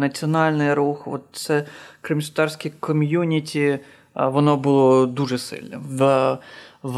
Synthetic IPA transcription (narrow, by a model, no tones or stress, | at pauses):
nɐt͡sʲiɔnɑlʲnɪjɾuxʋɔt̪sɛkɾɨmʲsʲt̪ɑrsʲkʲikʰɔmʲjunʲitʲi | ʋɔnɔbʊlˠɔd̪uʐɛsɪ̰lʲnɔ̰